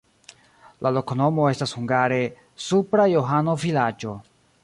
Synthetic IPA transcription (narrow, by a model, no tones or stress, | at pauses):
lʔalo̞kono̞mo̞e̞stashuŋɡaɾe̞ | supɾajo̞ɦano̞vilad͡ʒo̞